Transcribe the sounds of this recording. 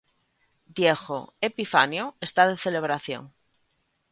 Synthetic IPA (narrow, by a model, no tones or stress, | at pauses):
d̪jexo̰epifanjoe̞st̪aðe̞θe̞le̞β̞ɾaθjo̰ŋ